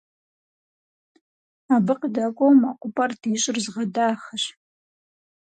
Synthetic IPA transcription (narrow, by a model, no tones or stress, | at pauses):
abɨqdakʷʼowmaqʷʼʊpʼardiːɕʼɪrzʁɐdaːχɐɕ